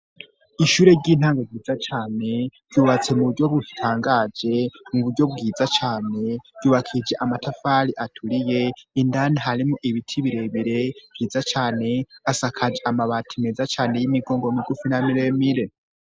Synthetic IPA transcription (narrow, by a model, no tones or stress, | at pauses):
iʃuːɾe̞ɟiːn̥haːŋɡaɡiːd͡zat͡ʃaːne̞ɾ̥ɟuːβat͡se̞muβuɾɟo̞βutʰaːŋɡad͡ʒe̞muβuɾɟo̞b̚ɡiːzat͡ʃaːne̞̥ɟuːβakʰid͡ʒe̞ʔamatafaɾiʔatʰuɾije̞indaniɦaɾimuʔiβitʰiβiɾe̞βiɾe̞bɡiːzat͡ʃaːne̞asakʰad͡ʒeʔamaβatʰimezat͡ʃaːne̞jimiɡo̞ːŋɡomiɡufinamiɾe̞miɾe̞